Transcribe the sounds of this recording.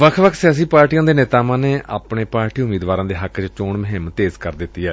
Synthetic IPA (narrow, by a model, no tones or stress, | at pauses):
ʋəkʰʋəkʰsɪjaːs̬iːpaːɾʈijãːd̪eːneːt̪aːʋãːneːʔa̰ːpɳeːpaːɾʈiːʊmeːd̪ʋaːɾãːd̪eːɦəkːt͡ʃt͡ʃoːɳməɦɪmt̪eːzkəɾd̪ɪt̪ːiːɛː